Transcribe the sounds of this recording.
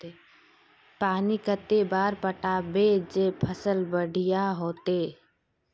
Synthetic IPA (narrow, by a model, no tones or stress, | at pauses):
e | paːnikət̪ːebaːɾpəʈaːbeːd͡ʒepʰəsəlbəɽʱɪjaɦoːt̪eː